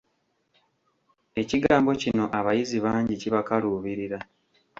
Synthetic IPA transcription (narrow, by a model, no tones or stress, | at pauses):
e̞ciɡaːmbo̞cino̞ʔaβajiziβaːɲɟiciβakaluːβiɾiɾa